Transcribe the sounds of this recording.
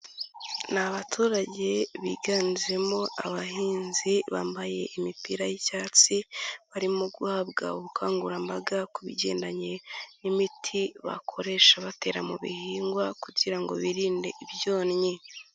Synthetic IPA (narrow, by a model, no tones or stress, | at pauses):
naβatʰuːɾaɟe̞βḭɡaːnziɾe̞mo̞ʔaβahiːnziβa̰ːmbaje̞̰ʔimipiɾajicaːt͡siβaɾimoɡwaːbɡa̰uβukʰaːŋɡuɾambaɡakuβiɟe̞̰ːndaɲe̞nimitʰiβa̰kʰo̞ɾe̞ʃaβate̞ːɾamuβḭhiːŋɡwakuɟiɾaŋɡo̞̰βiɾiːnde̞ʔiβjo̞ːnɲe